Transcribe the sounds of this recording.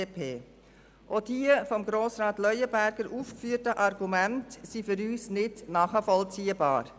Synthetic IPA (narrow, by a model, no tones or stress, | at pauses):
epʰeː | ʔoːd̥iəfɔmɡɾoːsɾɑːtlœʏəbæɾɡ̥əɾuːfkfyːətəʔɑɾɡ̥umɛntsifʏɾyːsnɪdnɑːχəfɔlt͡siːəbɑ̰ːɾ